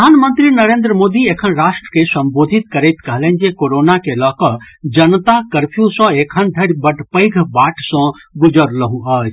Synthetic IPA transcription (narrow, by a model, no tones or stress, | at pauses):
anmənt̪ɾinəɾeːnd̪ɾəmod̪iekʰənɾaʃʈɾə̥kesəmbod̪ʱit̪kəɾɛɪt̪kəɦlẽn̆d͡ʒekoɾonakelɔkɔ | d͡ʒənt̪akəɾpʰjũsɔ̃ekʰənd̪ʱəɾbəʈpəɪɡʱbaʈsɔ̃ | ɡud͡ʒəɾləɦũə